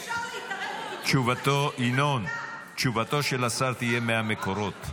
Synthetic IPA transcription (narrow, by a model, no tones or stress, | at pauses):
t͡ʃuvat̪oʔinon | t͡ʃuvat̪o̞ʃelasaɾt̪ije̞mehameko̞ɾo̞t̪